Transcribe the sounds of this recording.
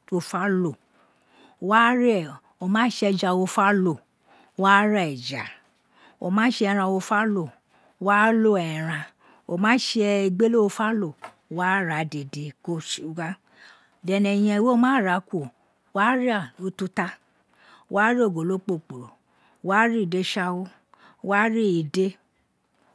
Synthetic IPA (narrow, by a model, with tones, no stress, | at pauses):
o˧fa˦lo˦˨ | wa˦ɾ | o˨mãː˦ʃɛ˧d͡ʒa˧wo˧fa˦lo˨ | wa˦ɾa˦ɛ˨d͡ʒa̰˨ | o˨mãː˨˦ʃe˦˧ɛ˧ɾ̃ã˧wo˧fa˦lo˦˨˦ | wa˦lo˦ɛ˨ɾã˧ | o˨˧˨mãː˨˦ʃe˧i˧ɡ͡be˦lo˦o˧fa˦lo˦˨ | wa˦ɾa˨˦de˨de˧ko˧ʃɡa˦ | dɛ˨nɛ̃˨j̃ɛ̃˧i˨we˦˨mãː˨˦˨ɾa˨˦kʷo˨ | wa˦ɾi˦a˦˨lo˨˦tu˧ta˦ | wʔa˦ɾi˦o˦˨ɡo˨lo˨˦k͡po˦˨k͡po˨ɾo˨ | wa˦ɾi˦˨de˧˦ʃa˧wo˦˧ | wa˦ɾi˦i˨de˦